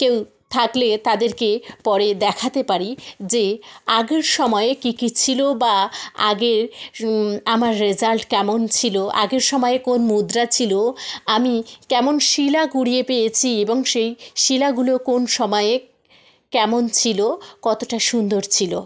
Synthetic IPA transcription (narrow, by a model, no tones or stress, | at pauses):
kew | t̪ʰaklet̪ad̪eɾkepɔɾed̪ɛkʰat̪epaɾid͡ʑeaɡeɾʃɔmɔeekikit͡ɕʰilobaa̰ɡeɾ | amaɾːed͡ʑalʈkɛmont͡ɕʰiloa̰ɡeɾʃɔmɔekonmud̪ɾat͡ɕʰiloamikɛmonʃilaɡuɽiepejet͡ɕʰieboŋʃejʃilaɡulokonʃɔmɔee | kɛmont͡ɕʰilokɔt̪oʈaʃund̪oɾt͡ɕʰilo